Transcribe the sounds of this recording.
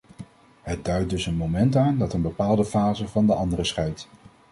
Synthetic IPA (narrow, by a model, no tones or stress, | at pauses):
ɦəd̚dœɥt̚dɵsənmowmɛntaːndɑtənbəpaːlˠdəfaːzəvɑndəʔɑndərəsχɛjt